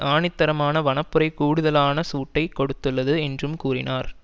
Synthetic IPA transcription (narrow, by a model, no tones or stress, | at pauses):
aːɳɪt̪ːɐɾɐmaːnɐʋɐnɐpːɯɾɐɪkuːɽɯðɐlaːnɐsuːʈːɐɪkːɔɽɯt̪ːɯɭːɐðɯɛndrɯmkuːrɪnaːɾ